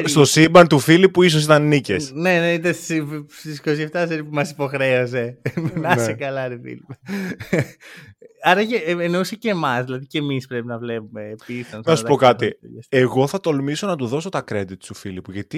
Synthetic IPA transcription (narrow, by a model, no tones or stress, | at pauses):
st̪osibɐnt̪ufilipuis̬o̞s̬it̪ɐnːicesne̞neit̪ɐssist̪isko̞s̬ie̞ft̪ɐseɾipumɐsipo̞xɾe̞os̬e̞mnɐsekɐlɐt̪efḭlipe | ɐɾɐʝeːnouseceːmɐsðilɐðicemispɾe̞pinɐvle̞pume̞ːisɐnsnɐsupo̞kɐt̪ḭɐseɣo̞θɐt̪o̞lmiso̞nɐt̪uðo̞s̬o̞t̪ɐkɾe̞d̪it̪st̪ufilipuʝɐt̪i